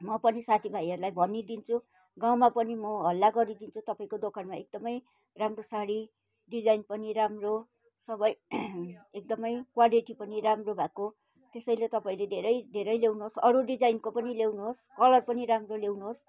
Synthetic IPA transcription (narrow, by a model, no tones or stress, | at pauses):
mʌpʌnisat̪ʰibʱajʌɾulajbʱʌnid̪int͡sʰu | ɡaw̃mapʌnimʌɦʌlːaɡʌɾid̪int͡sʰut̪ʌpaĩkod̪okʰanmaek̚d̪ʌmʌj | ramrosaɽi | ɖid͡zajnpʌniɾamro | sʌbʌj | ek̚d̪ʌmʌjkwaliʈipʌniɾamrobʱako | t̪esʌjlet̪ʌpaĩled̪ʱeɾʌjd̪ʱeɾʌjlewnuɦosʌɾuɖid͡zajnkopʌnilewnuɦoskʌlʌrpʌniɾamrolewnuɦos